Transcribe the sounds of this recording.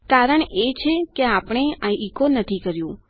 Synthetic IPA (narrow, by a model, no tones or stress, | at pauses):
kaɾəɳ̃et͡ʃʰekeapɳ̃eajikonət̪ʰikəɾjũ